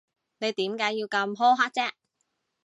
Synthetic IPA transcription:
ne˨˧jt̪iː˨˥mkaː˨˥jiː˧wkɐ˧mɦo˥wɦaː˥k̚t͡sɛː˥

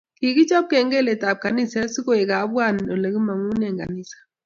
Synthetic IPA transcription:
ki˨ki˦t͡ʃɔ˦p̚kɛ˨ŋɡe˦˨le˨ta˨p̚ka˨ni˦˨sɛ˦si˦ko˦˨e˨ka˨˦bwa˦˨n˨o˨le˨ɡi˦ma˨ŋu˦nɛ˨ŋɡa̰˨ni˦˨sḁ˨

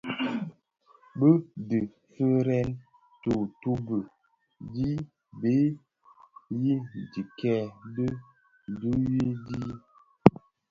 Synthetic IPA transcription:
bə˦dɨ˨ | fə˦ɾɛ˦n | tu˨tu˦bə˨ | di˦ | be˦ | ji˦˨di˨kɛ˦də˦˨ | du˦ji˦di˦

